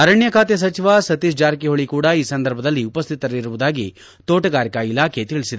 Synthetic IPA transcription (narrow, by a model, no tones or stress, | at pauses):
ɐɾɐɳjɐkaːt̪jɐs̬ɐt͡ʃiʋasɐt̪iʃd͡ʒaːɾkiɦoɭikuːɽɐiːsɐnd̪ɐɾbʱɐd̪ɐlːiupɐst̪ʰit̪ɐɾiɾuʋud̪aːɡi | t̪oːʈɐɡaːɾikɐilaːkʰe̞t̪iɭisid̪e